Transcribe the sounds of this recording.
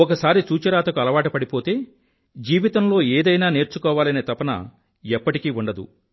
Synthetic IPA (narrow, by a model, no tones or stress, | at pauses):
ɔkɐsaːɾit͡ʃuːt͡ʃɐɾaːt̪ɐkuɐlɐʋaːʈɐpɐɽipo̞ːt̪e̞ː | d͡ʒiːʋit̪ɐmlo̞ːeːd̪ɐjnaːne̞ːɾt͡ʃukɔːʋaːlɐneːt̪ɐpɐnɐ̰ | ɛpːɐʈikiːuɳɖɐd̪ṵ